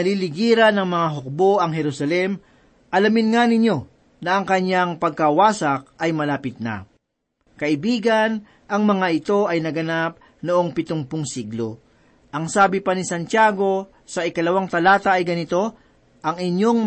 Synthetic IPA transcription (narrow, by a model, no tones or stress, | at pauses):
ɐlilɪɡiːɾɐnɐŋmɐŋaɦok̚bo̞ʔɐŋɦɛɾusɐlɛm | ʔɐlɐmɪnŋanɪɲo̞ | nɐʔɐŋkɐɲjaŋpɐɡ̚kɐwaːsɐk̚ʔɐjmɐlaːpɪt̪̚na̰ | kɐʔɪbiːɡɐn | ʔɐŋmɐŋaɪt̪o̞ʔɐjnɐɡɐnap̚ | noʔo̞ŋpɪt̪oŋpʊŋsiɡlo̞̰ | ʔɐŋsaːbɪpɐnɪsɐnt̪ɪaːɡo̞ | sɐʔɪkɐlɐwaŋt̪ɐlaːt̪ɐʔːjɡɐnɪt̪o̞ | ʔɐŋɪɲo̞ŋ